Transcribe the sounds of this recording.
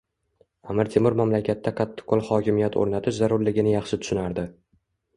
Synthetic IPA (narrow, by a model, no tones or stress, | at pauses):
amɪɾt̪ʰemʊɾmamlakʲʰat̪ʰːaqʰɑt̪ʰːɪ̥qʰːolˠχɒkʲɪmijat̪ʰo̰ɾnat̪ʰɪʃzaɾʊɾlɪɡʲɪnɪjɑχʃɪt̪ʰʊ̥ʃɪnaɾd̪ɪ